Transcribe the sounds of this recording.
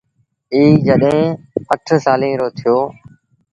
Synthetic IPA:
iːd͡ʒəɗɦẽ | əʈʰsaːlĩːɾoːt̪ʰɪjoː

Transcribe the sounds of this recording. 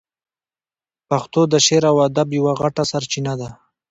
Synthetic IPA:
paxt̪od̪əʃeɾawad̪abjawaɣaʈasaɾt͡ʃinad̪a

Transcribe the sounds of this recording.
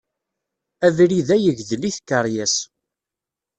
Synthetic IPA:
æðɾiðæjəʝðəliθkːəɾˤjæs

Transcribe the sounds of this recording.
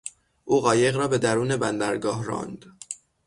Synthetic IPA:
ʔuːɣɒːje̞ɣɾɒːbe̞d̪æɾuːne̞bænd̪æɾɡɒːhɾɒ̰ːnd̪̥

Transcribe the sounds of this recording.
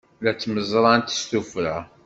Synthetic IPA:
læt͡sːməzɾˤɑnt̪ə̥st̪ufɾa

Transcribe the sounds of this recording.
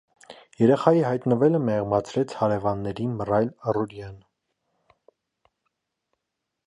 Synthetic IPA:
jɛɾɛχɑjihɑjt̪nəvɛləmɛʁmɑt͡sʰɾɛt͡sʰhɑɾɛvɑnːɛɾimərɑjləruɾjɑn

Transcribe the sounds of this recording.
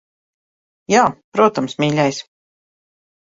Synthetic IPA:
jaːpɾuɔt̪amsmʲiːlʲajs

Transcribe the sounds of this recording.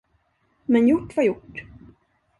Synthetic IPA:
mɛnjʊʈːvajʊʈː

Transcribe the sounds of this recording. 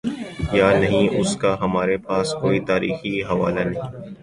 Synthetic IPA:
jaːnɐɦĩʔʊskaɦɐmaːɾepaːskoːit̪aːɾḭːxiɦɐʋa̰ːlanɐɦĩː

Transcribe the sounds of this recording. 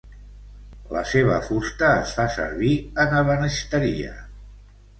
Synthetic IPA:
lə̰seβ̞əfust̪əːsfasə̰ɾβiənəβənəʃt̪əɾiə̰

